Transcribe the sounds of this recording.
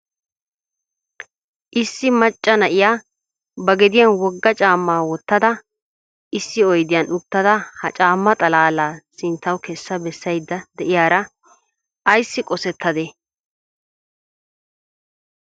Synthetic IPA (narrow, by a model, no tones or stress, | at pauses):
ʔɪsːɪmɐt͡ʃʼːɐnɐʔɪjaː | bɐɡɛd̪ɪjanwɔɡːɐt͡ʃʼaːmːaːwɔt̪ːɐd̪ɐ | ɪsːɪɔjd̪ɪjɐnʊt̪ːɐd̪ɐhɐt͡ʃʼaːmːɐt̪ʼɐlaːlaːsɪnt̪ːɐwkɛsːɐbɛsːɐjd̪ːɐd̪ɛʔɪjaːɾɐ | ʔɐjsːɪkʼɔsɛt̪ʰːɐd̪e